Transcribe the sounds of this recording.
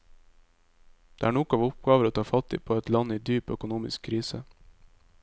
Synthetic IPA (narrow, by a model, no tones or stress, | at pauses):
d̪̥eːʔæːɳɔkɑːʋʊp̚ɡɑːʋəɾoːt̪ʰɑːfɑt̪ʰḭːpʰoːɛt̪lɑniːd̪yːpœ̰kʊnuːmɪ̰skʰɾiːsə